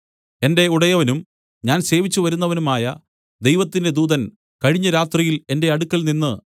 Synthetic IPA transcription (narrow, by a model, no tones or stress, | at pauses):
e̞nde̞uɽɐjɐʋɐnum | ɲaːnse̞ːʋit͡ɕːuʋɐɾunːɐʋɐnumaːjɐ | d̪ejʋɐt̪ːinde̞d̪uːðɐn | kɐɻiɲːɐɾaːt̪rijile̞nde̞ɐɽukːɐlninːɨ